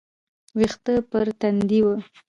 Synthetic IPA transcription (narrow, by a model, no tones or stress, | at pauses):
wixt̪əpəɾt̪and̪iwə